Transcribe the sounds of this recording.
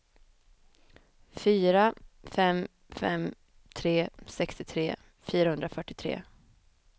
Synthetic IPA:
fyːɾafɛm | fɛ̰m | t̪ʰɾeːsɛkst̪ɪt̪ʰɾeː | fyːɾahɵnd̪ɾafœʈːɪt̪ʰɾḛː

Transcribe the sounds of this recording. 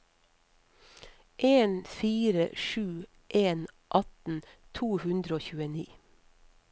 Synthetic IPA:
ʔeːnfiːɾə̰ʃʉː | ʔeːn | ʔɑt̪n̩t̪ʰuːhʉnd̪ɾəoːçʉːəniː

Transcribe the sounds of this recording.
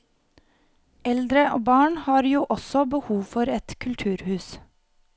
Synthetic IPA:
ɛld̪ɾəʔoːbɑːɳhɑːɾjuːʔɔsɔbəhuːfɔɾɛt̪kʰʉlt̪ʰʉːɾhʉːs

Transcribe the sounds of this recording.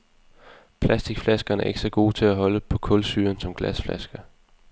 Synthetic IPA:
pʰlæsd̥iɡ̥flæsɡ̥ɐːnæɐe̝ɡ̥sɐɡ̥o̝̰ːt͡sʰe̝læɦɒ̽ləpʰɒ̽kʰɔ̽lsy̰ːɐnsɒ̽mɡ̥læsflæsɡ̥ɐ

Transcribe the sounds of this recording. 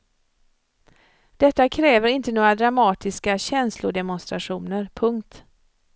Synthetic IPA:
d̪̥ɛt̪ːakʰɾɛːvəɾɪnt̪ənoːɾad̪ɾamɑːt̪ɪskaɕɛnslʊd̪ɛmʊnst̪ɾaɧuːnəɾpʰɵŋkt̪

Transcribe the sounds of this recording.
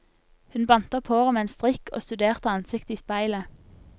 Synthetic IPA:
hʉnbɑnt̪əɔpʰoːʁɔmeːeːnst̪ʁɪkʰo̰ːst̪ʉd̪eːʁt̪əɑnsɪkt̪əiːspæɪlə

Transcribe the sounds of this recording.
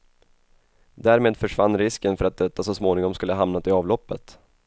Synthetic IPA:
d̪æːɾmeːd̪fœʂvanːɾɪskənfœɾat̪̚d̪ɛt̪ːasɔsmoːnɪŋɔmskɵlːəɦamnat̪ʰɪɑːvlɔpːət̪

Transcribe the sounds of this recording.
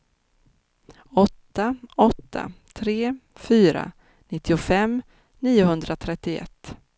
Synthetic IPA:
ɔt̪ːaɔt̪ʰːa̰t̪ʰɾeːfyːɾa̰ | nɪt̪ʰːɪʊfɛm | niːʊhɵnd̪ɾat̪ʰɾɛt̪ːɪɛ̰t̪ː

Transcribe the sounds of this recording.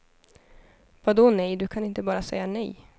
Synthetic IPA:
vad̪ɔnɛjd̪ɵkʰanɪnt̪əbɑːɾasɛ̰jːanɛ̰j

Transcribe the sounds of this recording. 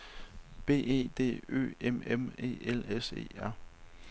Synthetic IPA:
b̥e̝̰ːe̝̰ːd̥e̝̰ːø̰ːememe̝̰ːelese̝̰ːæɐ̰

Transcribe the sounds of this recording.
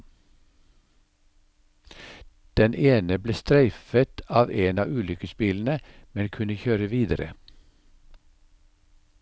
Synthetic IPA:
d̪̥ɛnʔeːnəbleːst̪ɾæɪfət̪ɑːʋeːnɑːʔʉːlʏkəspɪln̩əmɛnkʰʉnəçøːɾəʋiːd̪əɾə̰

